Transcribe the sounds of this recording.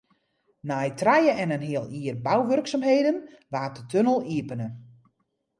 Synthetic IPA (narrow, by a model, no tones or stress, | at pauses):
najtrajəɛnənɦiəlˠiərbawʋørksamɦeːjdənʋaːt̚dətʰønəlˠiəpənə